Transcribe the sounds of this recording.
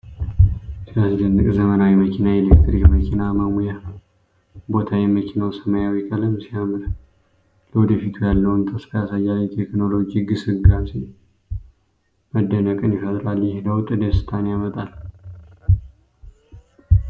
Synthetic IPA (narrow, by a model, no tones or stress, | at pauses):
sijasd̪ɨnːɨkʼzəmənawiməkʰinaelekt̪ɾikməkʰinaməmuja | bo̞t̪ʰawɛməkʰinawsəməjawikʼələmsijamɨɾ | ləwɔd̪əfit̪ʰujalːəwnt̪ʰəsfʰəjasajalit̪ʰekno̞lo̞d͡ʒiɡɨsɨɡase | məd̪ːənəkʼɨnjɪfət̪ʼɾalːjɛhedəwt̪ʼːɨd̪esɨ̥t̪ʰanejamət̪ʼal